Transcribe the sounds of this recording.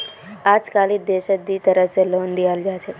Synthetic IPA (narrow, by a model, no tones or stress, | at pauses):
aːd͡ʒkaːlid̪eːʃət̪d̪it̪ɐɾəɦseloːnd̪ijaːld͡ʒaːt͡ʃʰe